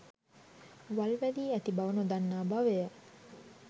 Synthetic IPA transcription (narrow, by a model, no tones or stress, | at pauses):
ʋɐlʋæliːæt̪ibɐʋɐnud̪ɐnːaːbɐʋeə